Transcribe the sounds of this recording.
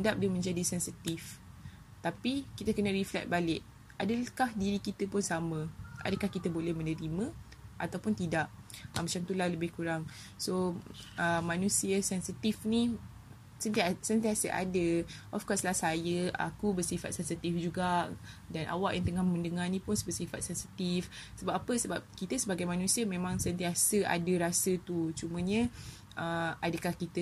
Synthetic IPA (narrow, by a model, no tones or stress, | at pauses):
əndap̚dɛmə̃ɲd͡ʒadisɛnsit̪if | t̪apikit̪əkənə̃ɾiflɛ̰t̪̚balɪʔ̚ | adəkahdiɾikit̪əpʊnsamə̃ʔa̰dəkahkit̪əbolɛhmə̃nəɾimə̃ | ʔat̪awpʊnt̪idaʔmat͡ʃamt̪ulahləbɪhkuɾaŋ | soəmanusiəsɛnsit̪ifnĩ | sənt̪iasənt̪iasə̰ʔa̰dəʔɔfkɔslahsajəa̰kubəsifat̪sɛnsit̪ifd͡ʒuɡaʔdanʔa̰waʔjaŋt̪əŋahmə̃ndəŋarnĩpunsbəsifa̰t̪̚sɛnsit̪ifsəbap̚apəsəbap̚kit̪əsəbaɡajmanũsiəmẽmãŋsənt̪iasəʔa̰dəɾasət̪ut͡ʃumə̃ɲə | ʔəadəkahkit̪ə